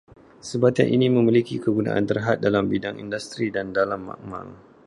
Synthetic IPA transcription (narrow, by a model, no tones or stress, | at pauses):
səbat̪a̰nʔinimə̃milikikəɡunã̰ʔa̰nt̪ərɦat̪̚dalambidaŋḭndust̪ɾidandalamːa̰k̚ma̰ŋ